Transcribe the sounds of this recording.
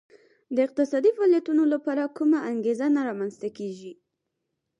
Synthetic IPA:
d̪əɪq̚t̪ɪsɑd̪ifɑljat̪unolapɑɾakumaʔaŋɡezanaɾɑmanzt̪akeʒi

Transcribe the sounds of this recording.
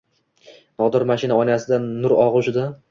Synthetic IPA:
nɒd̪ɪɾmaʃɪnaɒjnasɪd̪anːʊɾɒʁʊʃɪd̪a

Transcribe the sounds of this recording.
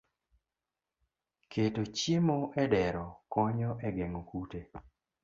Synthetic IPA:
ketot͡ʃemoʔɛdɛɾɔkɔɲɔʔɛɡɛŋokute

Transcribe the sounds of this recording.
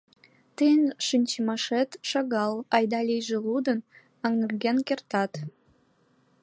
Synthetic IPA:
t̪əjənʃɨnʲt͡ɕemɑʃet̪ʃɑɣɑlɑjd̪ɑlʲijʒĕlud̪ən | ɑŋnərɣenkert̪ɑt̪

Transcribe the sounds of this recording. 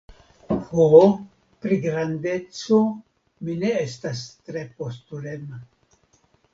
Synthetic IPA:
fo | pɾiɡɾandet͡so | mineestast̪ɾepost̪uɾema

